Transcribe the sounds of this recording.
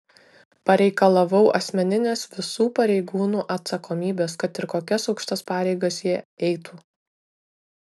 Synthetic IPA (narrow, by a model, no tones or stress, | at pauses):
pɐɾʲɛɪkɐlˠɐʋɐʊʔɐsʲmʲɛnʲɪnʲeːsʋʲɪsuːpɐɾʲɛɪɡuːnuːʔɐt̪sɐkoːmʲiːbʲeːskɐt̪ɪɾkoːkʲɛsɒʊkʃʲt̪ɐspɑːɾʲɛɪɡɐsjiɛɛɪt̪uː